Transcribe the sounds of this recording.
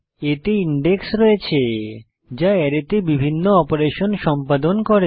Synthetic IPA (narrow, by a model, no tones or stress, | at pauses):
eʈiiɳɖeksɾɔet͡ɕʰe | d͡ʑaɛɾet̪ebibʱinːoɔpoɾeʃonʃɔmpad̪onkɔɾe